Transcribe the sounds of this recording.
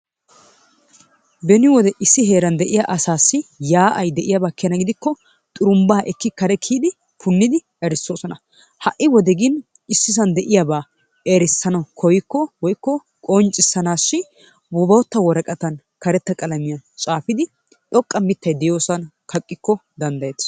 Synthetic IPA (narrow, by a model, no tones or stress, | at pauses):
bɛnɪwɔd̪ɛʔɪsːɪɦe̞ːɾɐnd̪ɛʔɪjaʔɐsaːsːɪjaːʔɐjd̪ɛʔɪjɐbaːkːɛnɐɡɪd̪ɪkːɔ | t̪ʼʊɾʊmbaːʔɛkːɪkɐɾɛkʰiːd̪ɪ | pʰʊnːɪd̪ɪ | ɛɾɪsːo̞ːsɔnɐ | hɐʔɪwɔd̪ɛɡɪn | ɪsːɪs̬ɐnd̪ɛʔɪjabaː | ɛɾɪsːɐnɐkʰɔjɪkːɔwɔjkːɔ | kʼɔnt͡ʃʼɪsːɐnaːʃːɪ | bɔbɐwɔt̪ːɐwɔɾɐkʼɐt̪ɐn | kɐɾɛt̪ːɐkʼɐlɐmɪjɐt͡ʃʼaːfɪd̪ɪ | ᶑ̪ʼɔkʼːɐmɪt̪ːɐjd̪ɛjo̞ːsɐn | kɐkʼːɪkːɔd̪ɐnd̪ɐjeː